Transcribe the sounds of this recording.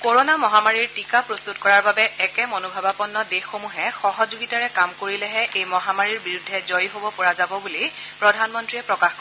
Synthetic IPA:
koɹonamɔɦamaɹiɹtikapɹɔst̪utkɔɹaɹbabɛɛkɛmɔnobʱabapɔnːɔdexːomuɦɛxɔɦɔzuɡitaɹɛkamkoɹilɛɦɛʔejmɔɦamaɹiɹbiɹudʱːɛzɔjɦobɔpɔɹazabɔbuli | pɹɔdʱanmɔntɹiɛpɹɔkaxk

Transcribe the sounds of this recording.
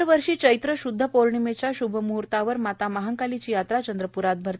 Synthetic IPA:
ɾʋəɾʂiːt͡ɕəjt̪ɾəɕud̪ʱːəpoɾɳimet͡ɕjaɕubʱəmuɦuɾt̪aʋəɾmat̪amaɦəŋkalit͡ɕiːjat̪ɾat͡ɕənd̪ɾəpuɾat̪̚bʱəɾ

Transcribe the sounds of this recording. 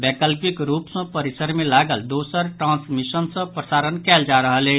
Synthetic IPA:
bɛkəlpikɾupsʌ̃pəɾisəɾmelaɡəld̪osəɾʈɾãnsmisənsʌ̃pɾəsaɾənkɛld͡ʒaɾəɦəle

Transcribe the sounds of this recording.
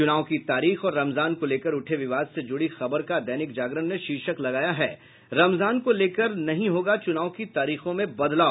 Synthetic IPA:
t͡ʃʊnaːõkit̪aːɾiːxɔːɾːɐmzaːnkoleːkəɾʊʈʰeʋɪʋaːd̪sed͡ʒʊɽixɐbəɾkad̪ɛːnɪk̚d͡ʒaːɡɾənneʃiːʃəklɐɡaːjaɦɛː | ɾɐmzaːnkoleːkəɾnɐɦĩɦoːɡat͡ʃʊnaːõkit̪aːɾiːxõmẽbɐd̪laː

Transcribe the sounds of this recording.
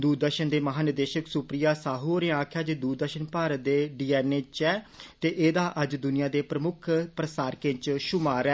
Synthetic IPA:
d̪uːɾd̪əɾʃənd̪eːməɦaːnəd̪eːʃəksʊpɾɪjaːsaːɦuːɾẽːãːkʰjaːd͡ʒeːd̪uɾd̪əɾʃənpaːɾd̪eːɖiːɛːneːt͡ʃɛːt̪eːʔeːd̪aːʔəd͡ʒd̪ʊnɪjãːd̪eːpɾəmʊkʰpɾəsaːɾkɪ̃ɲt͡ʃʃʊmaːɾɛː

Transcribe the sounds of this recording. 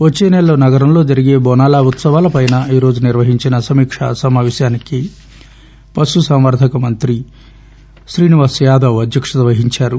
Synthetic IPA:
ʋot͡ʃːeːnɛlɐoːnɐɡɐɾɐmlo̞ːd͡ʒɐɾiɡeːbɔːnaːlaːut̪sɐʋaːlɐpɐjnɐiːɾo̞ːd͡ʒuniɾʋɐɦiɲt͡ʃinɐsɐmiːkʂɐ̰sɐmaːʋeːʃjaːniki | pɐsusɐmʋɐɾd̪ʱɐkɐmɐnt̪ɾi | ʃɾiːniʋaːsjaːd̪ɐʋɐd̪jɐkʂɐt̪ɐʋɐɦiɲt͡ʃaːɾu

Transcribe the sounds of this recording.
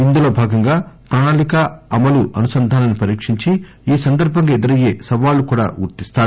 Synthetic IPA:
ind̪ulo̞ːbʱaːɡɐŋɡaːpɾaːnaːnikɐɐmɐluʔɐnusɐnd̪ʱaːnɐnipɐɾiːkʂiɲt͡ʃi | iːsɐnd̪ɐɾbʱɐŋɡɐed̪iɾɐje̞ːsɐʋaːlːukuːɽa̰ːɡṵɾt̪ist̪aːɽu

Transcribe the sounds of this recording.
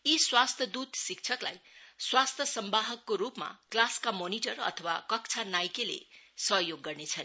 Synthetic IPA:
iswast̪ʰʌd̪ut̪sik̚t͡sʰʌkla̰jswast̪ʰjʌsʌmbaɦʌkːoɾupma̰klaskamoniʈʌrʌ̰t̪ʰʌwakʌk̚t͡sʰanajkelḛsʌɦjoɡːʌrnet͡sʰʌn

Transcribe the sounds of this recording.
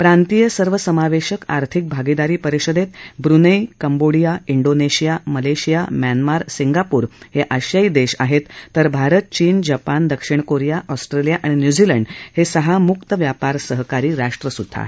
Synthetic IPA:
pɾant̪ijəsəɾʋəsəmaʋeɕəka̰ɾt̪ʰik̚bʱaɡid̪aɾiːpəɾiɕəd̪et̪bɾunəjkəmboɽijaiɳɖoneɕijaməleɕijamjanmaɾsiŋɡapuːɾheʔəɕjaid̪eɕaɦet̪ːəɾbʱaɾət̪̚t͡ɕiːnd͡ʑapand̪əkʂiɳkoɾijaʔɔsʈɾelijaʔaɽ̃injud͡ʑiləɳɖhesəɦamukt̪əʋjapaɾsəɦkaɾiːɾaʂʈɾəsud̪ʱːa̰

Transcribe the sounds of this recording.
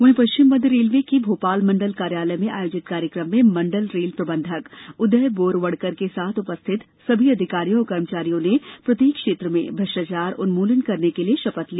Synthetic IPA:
ʋɐɦẽpɐʃɪmʋə̃d̪ɾeːlʋekibʱoːpaːlmɐ̃ɳɖəlkaːɾjaːləjmẽʔa̰ːjoːd͡ʒɪt̪kaːɾjəkɾəmːẽmɐ̃ɳɖəlɾeːlpɾɐbə̃nd̪ʱəkʊd̪əɦboːɾʋɐɽkəɾkesaːt̪ʰʊpəst̪ʰɪt̪ | sɐbʱiɐd̪ʱɪkaːɾijõːkɐɾmət͡ʃaːɾijõnepɾɐt̪iːkʃeːt̪ɾəmḛ̃bʱɐʃat͡ʃaːɾʊnmuːlənkɐɾnekelieʃɐpət̪liː

